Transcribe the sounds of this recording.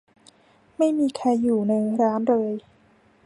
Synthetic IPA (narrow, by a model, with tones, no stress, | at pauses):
ma˥˩jmiː˧kʰaː˧jːuː˨˩na˧jɾaː˦˥nɾɤː˧j